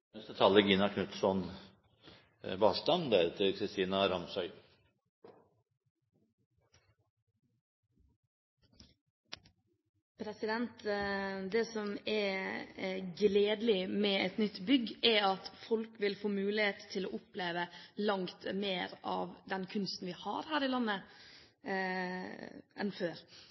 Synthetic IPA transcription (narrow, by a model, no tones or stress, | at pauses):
ɛst̪ət̪ʰɑːlːəɡinɑkʰnʉt̪sɔn | bɑːst̪ɑnd̪æɾɛt̪ʰəɾkʰɾɪst̪iːnɑɾɑmsœʏ | pʰɾɛsɪd̪ɛnt̪d̪eːsɔmɛɾ | ɡleːd̪lɪmɛɛt̪nʏt̪ːbʏɡːɛɾɑt̪fɔlkʋɪlfoːmʉːlɪeːt̪t̪ʰːɪloːʔʊpleːʋəlɑŋt̪meːɾɑ̰ːʋd̪ɛnkʰʉnst̪n̩ʋɪhɑ̰ɾhæːɾɪlɑnːə | ɛ̰nføːɾ